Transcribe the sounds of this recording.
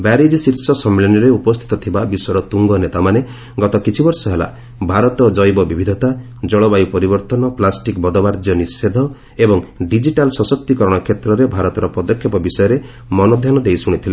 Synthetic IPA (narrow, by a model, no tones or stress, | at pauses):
baɾid͡ʒsiɾsɔsɔmːelɔniɾeupɔst̪ʰi̥t̪ɔt̪ʰibabisɔɾɔt̪uŋɡɔnet̪amane | ɡɔt̪ɔkit͡ʃʰibɔɾsɔɦela̰ | bʱaɾɔt̪ɔd͡ʒɔjbɔbibʱid̪ʱɔt̪a | d͡ʒɔɭɔbajupɔɾibɔɾt̪ɔnɔplasʈikbɔd̪ɔbaɾd͡ʒjɔnised̪ʱɔ | ebɔŋɖid͡ʒiʈalsɔsɔk̚t̪ikɔɾɔɽ̃ɔkʰet̪ɾɔɾebʱaɾɔt̪ɔɾɔpɔd̪ɔkʰːjɔpɔbisɔjɔɾe | mɔnɔd̪ʱjanɔd̪ejsuɽ̃it̪ʰile